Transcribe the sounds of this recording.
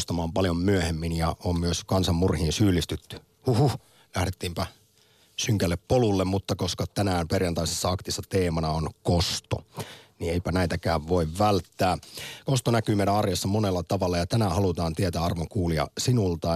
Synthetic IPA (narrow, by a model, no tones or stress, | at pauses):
st̪ɑmɑːmpɑljommyæhemːinjɑommyøskɑnsɑmːurhiːnsyːlːˑist̪yt̪ːy̥ | huhuh | læhɾet̪ːiːmpæ | syŋkælːeppːolulːemmut̪ːɑkoskɑt̪ænæːmperjɑnt̪ɑisesːɑɑkt̪isːɑt̪eːmɑnɑonkost̪o̰nieipænæit̪ækæːʋʋoiʋʋælt̪ːæːkost̪onækyːmeˑiɾæɑrjɑsːɑmonelːɑt̪ɑʋɑlːɑjɑt̪ænæhɑlut̪ɑːnt̪iet̪æːɑrʋoŋkuːliɑ̰sinult̪ɑ